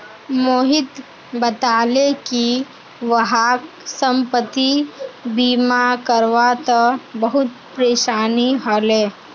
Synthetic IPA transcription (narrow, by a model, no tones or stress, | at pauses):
moːɦɪt̪ | bət̪aːleki | ʋɐɦaːk | sə̃mpət̪ibiːmakəɾʋat̪əbəɦʊt̪̚pɾeːʃaːniɦɔleː